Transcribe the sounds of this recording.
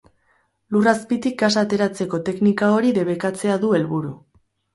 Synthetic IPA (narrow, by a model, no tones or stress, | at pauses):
luraspit̪ik̚ɡasaːt̪e̞ɾat͡se̞ko̞t̪e̞knikao̞ɾiðe̞β̞e̞kat͡se̞aðue̞lβuɾu